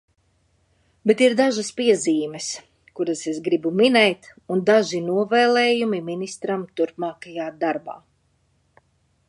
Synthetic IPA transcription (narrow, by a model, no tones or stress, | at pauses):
bet̪iɾd̪aʒaspiɛziːmɛs | kuɾasesɡɾibuminɛjt̪und̪aʒinuɔvɛːlˠeːjumiminist̪ɾamt̪uɾpmaːkajaːd̪aɾba̰ː